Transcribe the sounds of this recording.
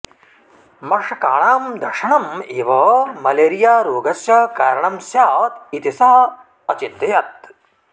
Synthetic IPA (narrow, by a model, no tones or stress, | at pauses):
mɐʂɐkaːɳaːmd̪ɐɾʂɐɳɐmeːʋɐmɐleːɾijaːɾoːɡɐsjɐkaːɾɐɳɐmsjaːt̪it̪isaɦɐ | ɐt͡ʃit̪ːɐjɐt̪̚